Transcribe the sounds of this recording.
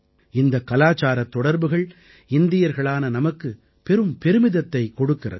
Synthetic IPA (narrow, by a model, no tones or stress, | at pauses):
ɪnd̪ɐkɐlaːt͡ʃaːɾɐt̪ːɔɽɐɾbɯɣɐɭ | ɪnd̪ɪjɐɾɣɐɭaːnɐnɐmɐkːɯ | pɛɾɯmpɛɾɯmɪðɐt̪ːɐɪkːɔɽɯkːɪrɐ̰ð